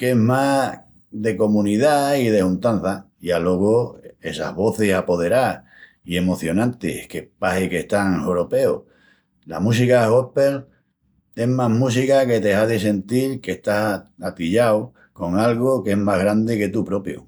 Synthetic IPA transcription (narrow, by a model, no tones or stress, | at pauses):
ke̞ɦma | ðe̞ko̞mũniðaiðe̞hunt̪an̟θajalo̞ɣoe̞sa̰ɦβo̞θesapo̞ð̞e̞ɾa | ie̞moθjo̞nãnt̪ḛkepahekeht̪aŋhoɾope̞o | la̰mũs̬ikaho̞pe̞l | e̞ɦmaɦmus̬ikake̞t̪e̞haðes̬e̞nt̪iɾke̞ht̪asat̪iʎaw | ko̞ŋalɣoke̞ɦmaɦɣɾand̪e̞ke̞t̪upɾo̞pjo̰